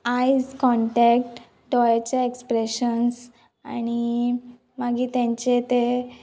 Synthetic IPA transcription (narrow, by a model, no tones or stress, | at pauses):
ajd͡zkɔ̃ɳʈɛk̚ʈ | ɖɔjat͡ɕaekspɾeɕəns | a̰ɽ̃i | maɡiːt̪jãɲt͡ɕet̪e